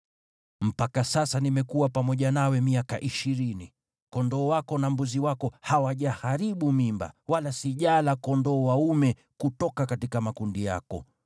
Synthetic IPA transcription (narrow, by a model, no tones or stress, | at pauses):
m̩pakasasanimɛkuwapamɔʄanawɛmiakaʔiʃiɾini | kɔndɔːwakɔnambuziwakɔhawaʄahaɾiɓumimba̰walasiʄalakɔndɔːwaumɛ | kutɔkakatikamakundija̰kɔ̰